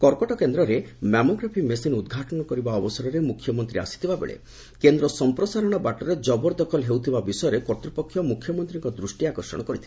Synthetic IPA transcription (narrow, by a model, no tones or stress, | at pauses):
kɔɾkɔʈɔkend̪ɾɔɾemamoɡɾapʰimesinud̪ɡʱaʈɔɽ̃ɔkɔɾibaɔbɔsɔɾɔɾemukʰːjɔmɔnt̪ɾia̰si̥t̪ʰibabḛɭḛ | kend̪ɾɔsɔmpɾɔsaɾɔɽ̃ɔbaʈɔɾed͡ʒɔbɔɾd̪ɔkʰɔlɦewt̪ʰibabisɔjɔɾekɔɾt̪ɾipɔkʰːjɔmukʰjɔmɔnt̪ɾiŋkɔd̪ɾusʈiakɔɾsɔ̰ɽ̃ɔkɔɾit̪ʰi̥